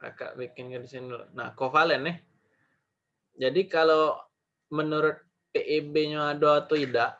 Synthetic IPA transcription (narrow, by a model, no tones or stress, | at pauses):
ɾa̰ka̰ʔbikɪnkədisinidul̰na̰kofalɛnɪh | d͡ʒadikalo | mənuɾʊt̪̚ | peʔebeɲoadoat̪uidaʔ